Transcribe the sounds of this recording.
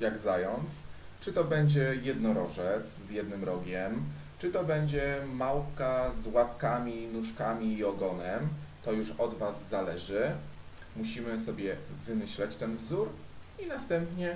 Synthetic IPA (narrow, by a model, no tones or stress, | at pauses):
jaɡzajɔnt̪s | t͡ʂɘt̪ɔbɛɲd͡ʑɛjɛd̪nɔɾɔʐɛt̪szjɛd̪nɘmɾɔɡʲɛm | t͡ʂɘt̪ɔbɛɲd͡ʑɛmawkazwapkamʲinuʂkamʲiːɔɡɔnɛmt̪ɔjuʂɔd̪vazːalɛʐɘ | muɕimɘsɔbʲjɛvɘmɘɕlɛt͡ɕt̪ɛnvzuɾ | inast̪ɛmpɲɛ